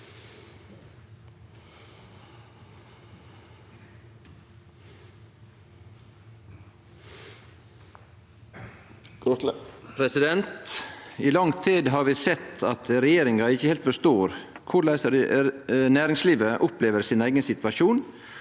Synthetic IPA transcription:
pʰɾɛsɪd̪ɛnt̪iːlɑŋt̪ʰiːd̪ɦɑːɾʋiːsɛt̪ʰɑt̪ɾɛjeːɾɪŋɑɪçəheːlt̪fɔʂt̪oːɾ | kʰʊɭæɪsɾ | næːɾɪŋsliːʋəʔʊpleːʋəɾsiːnæɪɡənsɪt̪ʋɑʃuːn

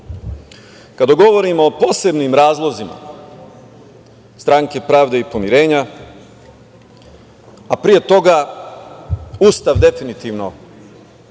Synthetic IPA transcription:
kad̪aɡo̞ʋo̞ɾimoːpo̞ːse̞bnimɾaːzlˠo̞zima̰ | st̪ɾaŋke̞pɾaːʋd̪e̞ipo̞miɾe̞ːɲa | apɾije̞t̪o̞ɡa | uːst̪aʋd̪e̞finit̪iʋno̞

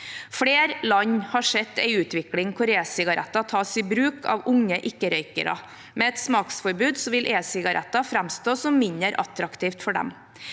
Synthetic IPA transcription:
fɽeːɾlɑɲːhɑʂɛt̪æɪʉːt̪ʋɪklɪŋkʰʊɾeːsɪɡɑɾʔɛ̰t̪ːɑt̪ʰɑːsɪbɾʉːkʰɑ̰ʋʊŋːəʔɪkːəɾœʏkə̰ɾɑ̰ | mɛɛt̪smɑːksfɔɾbʉːd̪sɔʋɪlʔeːsɪɡɑɾʔɛ̰t̪ːɑfɾæmst̪oːsɔmːɪnəɾʔɑ̰t̪ɾɑkt̪ʰiːft̪fɔɖɛ̰m

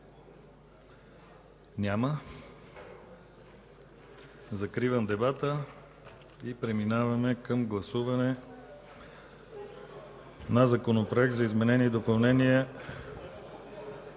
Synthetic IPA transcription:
nʲamə | zɐkɾivəmd̪ɛbat̪ə | ipɾɛminavɐmɛkəmɡlˠɐsuvɐnɛ | nɐzɐkonopɾoɛk̚t̪zɐizmɛnɛnid̪opɐlˠnɛniə

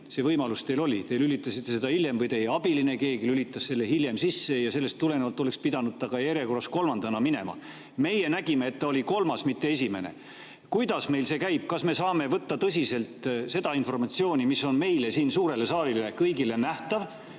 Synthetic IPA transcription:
se̞vɤjmɑlust̪e̞jlo̞lʲit̪e̞jlylit̪ːˑɑsit̪ːe̞se̞d̪ɑilje̞mvɤjt̪e̞jeɑb̥iline̞ke̞ːɡilylit̪ˑːɑsːe̞lːe̞hilje̞msisːe̞jɑse̞lːest̪ːule̞nevɑlt̪ːˑole̞kspid̪̥ɑnud̪̥̚t̪ɑɡ̥ɑjeɾeko̞rɑsko̞lmɑnd̪ɑnɑmine̞̰mɑ̰ | me̞jenæɡimeːt̪ːɑolʲiko̞lmɑsmit̪ːe̞e̞s̬ʲime̞ne̞̰ | kujd̪̥ɑsme̞jlse̞ːkæjb̥̚kɑsme̞sɑːme̞vɤt̪ːɑt̪ɤs̬ʲise̞lt̪ˑse̞d̪ɑinfo̞rmɑt̪sio̞ːnʲimisːo̞nme̞jlesiːnsuːɾe̞le̞sɑːlilekɤjɡile̞næht̪ɑv

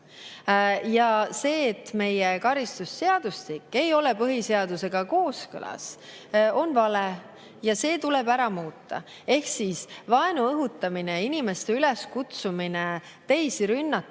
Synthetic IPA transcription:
jɑse̞ːt̪ːme̞jekɑɾist̪usːe̞ɑd̪̥ust̪ikːe̞jo̞le̞pɤɦise̞ɑd̪̥use̞ɡ̥ɑko̞ːskɤ̰lɑ̰s | o̞nvɑle | jɑse̞ːt̪ulebæɾɑmuːt̪ːˑɑ̰ | e̞hksiːsvɑe̞nuɤɦut̪ːˑɑmineinime̞st̪e̞yle̞skut̪sumine̞ | t̪e̞jsiɾynːɑt̪ː

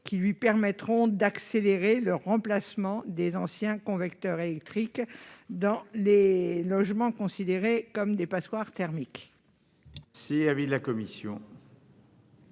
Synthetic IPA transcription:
kʲilɥipɛʁmɛt̪χɔ̃d̪akseleʁeləʁɑ̃plasmɑ̃d̪ezɑ̃sjɛ̃kɔ̃vɛkt̪œʁelɛk̚t̪χikd̪ɑ̃lelɔʒmɑ̃kɔ̃sid̪eʁekɔmd̪epaswaʁt̪ɛʁmik | seavid̪lakɔmisjɔ̰̃

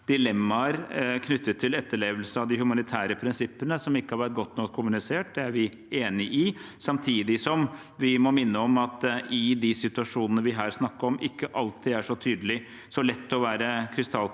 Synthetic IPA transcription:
d̪̥ɪlɛmːɑɾkʰnʏt̪ːət̪ʰːɪlɛt̪ːəɭeːʋəlsəɑʋd̪ɪhʉmɑnɪt̪ʰæːɾəpʰɾɪnsɪpːənəsɔmɪkːəhɑɾʋæʈ̚ɡɔt̪ːnɔkkʰːʊmʉnɪseːʈ̚d̪ɛæɾʋɪ | eːnɪʔɪsɑmt̪ʰiːd̪ɪsɔm | ʋɪmɔmɪnːəɔmɑt̪ɪd̪ɪsɪt̪ʉɑʂuːnənəʋɪɦæːɾsnɑkːəɾɔmʔɪkːəʔɑlt̪ʰiːd̪æʂɔt̪ʰyːd̪əlɪ | sɔlɛt̪ːɔʋæːɾəkʰɾɪst̪ɑl

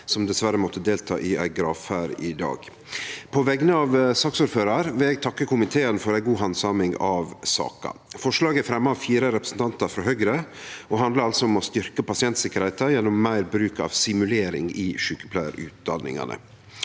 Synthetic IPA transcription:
sɔmd̪ɛsʋæɾəmɔt̪ʰːəd̪eːlt̪ʰɑ̰ːʔɪæ̰ɪɡɾɑːʋæːɾɪd̪ɑ̰ːɡ | pʰɔʋɛɡənəɑʋsɑːksuːɾføːɾɑɾʋɪlɛɡ̚t̪ʰɑkːəkʰʊmɪt̪ʰeːənfɔɾæɪɡuːɦɑnsɑːmɪŋɑʋsɑ̰ːkɑ̰fɔʂlɑːɡəæfɾɛmːəɑfiːɾəɾɛpɾəsn̩t̪ɑnt̪ɑɾfɾɔɦœɡɾəɔɦɑnd̪ləɾɑlsɔɔmɔst̪ʏɾkəpɑsɪɛnt̪sɪkːəɾhɛɪt̪ɑjɛnːɔmːæɪɾbɾʉːkɑ̰ʋsɪmʉleːɾɪ̰ŋɪʃʉːkə̥pʰlæɪə̰ɾʉ̰ːt̪̚d̪ɑ̰nːɪ̰ŋɑ̰nə̰

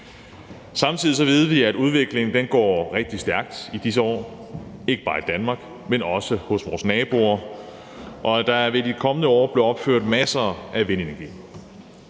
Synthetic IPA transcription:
sɑ̈mt͡sʰiðˠis̬ɒ̽ʋið̞ˠəʋiæd̥uð̞ˠʋe̝ɡ̥le̝ŋŋ̩d̥enɡ̥ɒ̰ːʁeɡ̥̚d̥isd̥æɐɡ̥̚d̥id̥is̬əɒ̰ː | e̝ɡ̥əb̥ɑ̈ːid̥ænmɑ̈ːɡ̥ | menɒ̽səhɔ̽sʋɒːsnɛːb̥o̝ɐ | ʔɒ̽æd̥ɑ̈ʋe̝dikʰɒ̽mənəɒ̰ːb̥le̝ɒ̽b̥føɐ̰d̥mæsɐʔæʋe̝ne̝næɐɡ̥ḭː

